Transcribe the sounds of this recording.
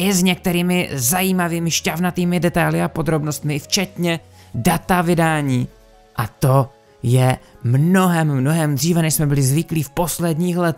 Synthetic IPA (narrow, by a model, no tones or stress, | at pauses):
ʔɪzɲɛk̚t̪ɛɾiːmɪzajiːmaviːmɪʃcavnat̪iːmɪdɛt̪ajlɪapo̞d̪ɾo̞bno̞st̪mɪft͡ʃɛt̪ɲɛ | dat̪avɪdaːɲiː | ʔat̪o̞ | jɛmno̞ɦɛmːno̞ɦɛmd̪r̝iːvɛnɛʃsmɛbɪlɪzvɪkliːfpo̞slɛdɲiːxlɛt̪